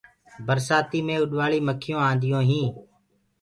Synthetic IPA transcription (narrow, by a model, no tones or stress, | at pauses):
bəɾsaːt̪iːmẽːʊɗʋaːɭiːməkʰɪjõːãːnd̪ɪjõːɦĩː